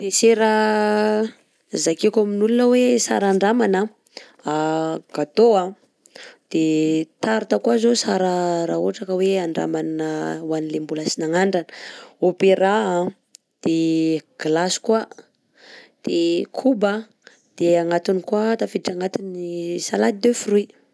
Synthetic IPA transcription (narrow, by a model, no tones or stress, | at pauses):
d̪̥eseɾa | zakekʲaminulunəwesa̰ɾaɳɖ͡ʐamanə | aɡ̥at̪oa | d̪̥et̪aɾit̪akwazosaɾəɾaoaʈ͡ʂakəweaɳɖ͡ʐa̰mannəwanilembulasinaŋaɳɖ͡ʐanə̥opeɾaã | d̪̥eɡ̥lasi̥kua | d̪̥ekʰubə | d̪̥eaŋat̪inikwat̪afiiʈ͡ʂaŋat̪inisalad̪id̪efirui